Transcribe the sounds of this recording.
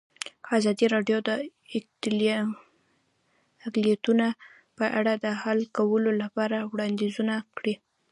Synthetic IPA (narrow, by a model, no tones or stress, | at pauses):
azɑd̪iɾɑɖjod̪ət̪l | aklijat̪una | pəʔaɽad̪əhalkawəlolapɑɾawɽɑnd̪izunakɽi